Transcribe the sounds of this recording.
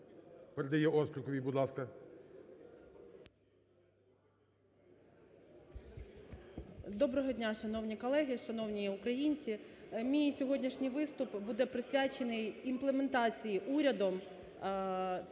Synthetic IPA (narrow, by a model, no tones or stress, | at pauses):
peɾed̪ɐjɛʔɔsk̪lʲɪkɔʋʲijbʊd̪lˠɑskɐ | d̪ɔbɾɔɦɔdʲnʲaʃɐnɔwnʲikɔlˠɛɦɪʃɐnɔwnʲiʊkɾɐjinʲt͡sʲimʲijsʲɔɦɔdʲnʲiʃnʲɪjʋɪst̪ʊpbud̪ɛpɾɪsʲʋʲat͡ʃenɪjimplˠement̪ɑt͡sʲijiʔuɾʲɐd̪ɔm